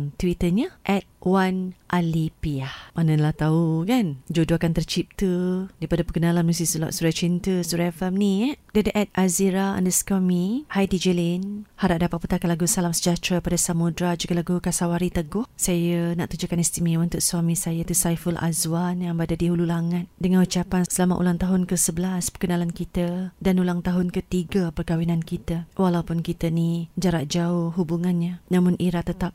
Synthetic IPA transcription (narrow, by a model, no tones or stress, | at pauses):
t̪wit̪əɲəʔɛt̪̚wanʔalipiahmanãlaht̪aukand͡ʒodoakant̪ərt͡ʃip̚t̪ədipadapəkənalanmusisula̰ʔsuɾat͡ʃint̪əsuɾafəmnĩədadiʔɛt̪̚ʔaziɾaa̰ndəsə̥kamihajdid͡ʒəlinhaɾaʔ̚dapat̪̚pət̪akanlaɡusalamsə̥d͡ʒat̪ɾapadasamudɾad͡ʒuɡalaɡukasawaɾit̪əɡʊhsajəna̰ʔt̪ud͡ʒukanist̪imiunt̪ʊk̚swamĩsajət̪usajfəlʔa̰zwanjaŋbəadadiɦululaŋat̪̚dəŋãnut͡ʃapansəlama̰ʔṵlaŋt̪aɦʊnkəsəbəlaspərkənalankit̪ədanulaŋt̪aɦʊnkət̪iɡapərkawinãnkit̪əwalawpʊnkit̪ənid͡ʒaɾaʔd͡ʒaʊhɦubuŋanɲanamʊ̃nʔiɾat̪ət̪ap̚